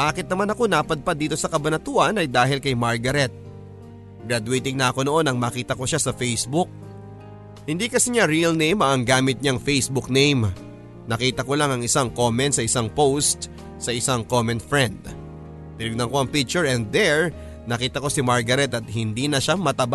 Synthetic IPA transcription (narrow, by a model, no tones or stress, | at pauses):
baːkɪt̪̚nɐmanɐko̞naːpɐd̪̚pad̪iːt̪o̞sɐkɐbɐnɐt̪uʔɐnɐjd̪aːɦɪlkɐjmaɹɡɐɾɛt̪̚ | ɡɾad̪ʊejt̪ɪŋnɐʔɐko̞noʔo̞nɐŋmɐkiːt̪ɐko̞ʃasɐfejsbuk̚ | hɪnd̪ikɐsiɲaɾiɐlnejmɐɐŋɡaːmɪt̪̚ɲaŋfejsbʊk̚nejm | nɐkiːt̪ɐko̞laŋɐŋɪsaŋko̞mɛnt̪̚sɐɪsaŋpowst̪̚ | sɐʔɪsaŋko̞mɛnt̪fɹɛnd̪ | p̪ɪnɪɡ̚nɐŋko̞ɐŋpik̚t͡ʃʊɹɛnd̪ɛɹ | nɐkiːt̪ɐko̞simaɹɡɐɾɛt̪ɐt̪̚hɪnd̪inɐʃamɐt̪ɐba